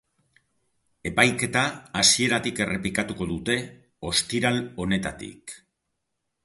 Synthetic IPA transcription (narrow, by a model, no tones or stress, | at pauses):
e̞pajke̞t̪aːsie̞ɾat̪ike̞rʔe̞plikat̪uko̞ðut̪e̞ | o̞st̪iɾalo̞ne̞t̪a̰t̪ḭk